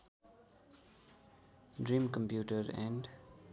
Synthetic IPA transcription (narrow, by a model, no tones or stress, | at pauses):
dɹĩmkɔ̃mpjuːʈəɹɛ̃nd